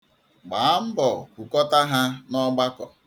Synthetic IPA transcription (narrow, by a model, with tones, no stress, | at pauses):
ɡ͡ba˨˦m̩˦bɔ˨kʷu˨kɔ˦ta˦ɦa˦nɔ˦ɡ͡ba˦kɔ˨